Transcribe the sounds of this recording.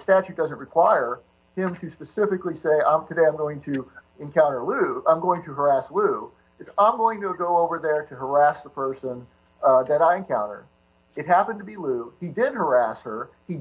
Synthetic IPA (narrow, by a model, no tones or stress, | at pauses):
stæt͡ʃʉt̚d̥ʌz̃nʔɹɨkʰw̥aɪə˞ | ɪ̃mtʰɨspɨsɪfɨkliseɪã̰ɪ̃mtʰɨdeɪãmɡoʊɪ̃ŋtʰɨ | ɨ̃nkʰãʊ̃ɾə˞lʉãɪ̃mɡoʊɪ̃ŋtʰɨɦə˞æslʉ | ɨtsãɪ̃mɡoʊɪ̃ŋtəɡoʊoʊvə˞ðə˞ɾɨɦə˞æsðəpʰɜ˞sə̃n | ðɨɾaɪɨ̃nkʰãʊ̃ɾ̃ə̰˞ | ɨt̚ɦæpɨ̃ntɨbilʉidɪd̚hə˞æshə˞ | i